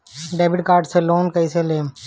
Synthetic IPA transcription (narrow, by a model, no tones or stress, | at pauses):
ɖeːbɪɖkaːɾɖseloːnkɐiseleːm